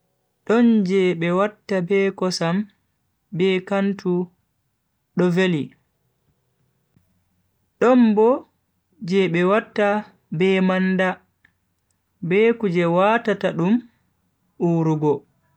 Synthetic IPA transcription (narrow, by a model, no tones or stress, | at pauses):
ɗɔnd͡ʒɛɓɛwatːabɛkɔsam | bɛkantʰu | ɗɔveli | ɗɔmbɔ | d͡ʒɛɓɛwatːa | bɛmanda | bɛkud͡ʒɛwatataɗum | uːɾuɡɔ